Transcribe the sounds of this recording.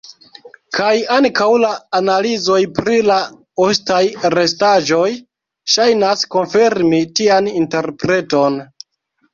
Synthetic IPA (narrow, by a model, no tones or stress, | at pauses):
kʰajaŋkawlaːnalizo̞jpɾila | ostajɾe̞staʒo̞j | ʃajnasko̞nfeɾmitianinte̞ɾpɾe̞to̞n